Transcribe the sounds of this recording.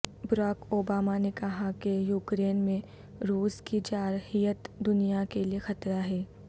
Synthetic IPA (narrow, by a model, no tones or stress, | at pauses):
bɾaːkoːbaːmanekɐɦakejuːkɾeːnmẽ | ɾuːskid͡ʒaːɾhijət̪d̪ʊnijakeliexɐt̪ɾaɦɛː